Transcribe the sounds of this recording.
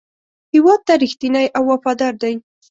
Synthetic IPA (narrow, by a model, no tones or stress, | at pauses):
hɪwɑd̪̚t̪aɾixt̪inajʔawːafɑd̪ɑɾd̪aj